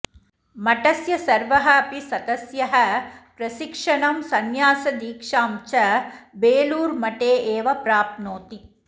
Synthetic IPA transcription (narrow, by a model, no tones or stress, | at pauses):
mɐʈɐsjɐsɐɾʋɐɦɐɐpisɐd̪ɐsjɐɦɐpɾɐʃikʂɐɳɐmsɐnjaːsɐd̪iːkʂaːmt͡ʃɐbeːluːɾmɐʈeːʔeːʋɐpɾaːp̪̚noːt̪i